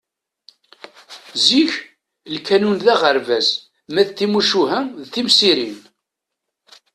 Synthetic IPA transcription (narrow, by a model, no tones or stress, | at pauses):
ziç | lkænunðæʁəɾvæz | mæðθimuʃuɦæðθimsiɾin